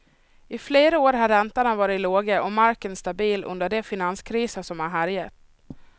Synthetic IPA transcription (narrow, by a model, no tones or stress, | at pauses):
ɪfleːɾaoːɾɦaɾɛnt̪aɳavɑːɾɪt̪loːɡəʔɔmaɾkənst̪abiːlɵ̰nd̪əɖɛfɪnanskʰɾiːsəʂɔmhaɦaɾjat̪ː